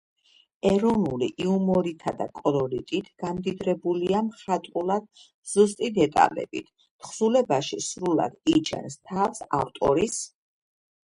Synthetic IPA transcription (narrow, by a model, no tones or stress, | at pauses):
ɛɾɔnulḭʔiumɔɾit̪ʰad̪a̰kʼɔlɔɾit̪ʼit̪ʰɡ̥amd̪id̪ɾɛbuliamχat̪ʼulˠad̪̥̚ | z̥ust̪ʼid̪ɛt̪ʼa̰lɛ̰bḭt̪ʰ | t̪χzulɛbaʃisɾula̰d̪̥it͡ʃʰɛ̰nst̪ʰafsa̰ft̪ʼɔɾis